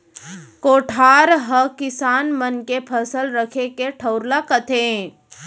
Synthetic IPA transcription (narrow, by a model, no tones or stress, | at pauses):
koːʈʰaːɾɦəkɪsaːnmənkepʰəsəlɾəkʰekeʈʰəʊɾlakət̪ʰẽ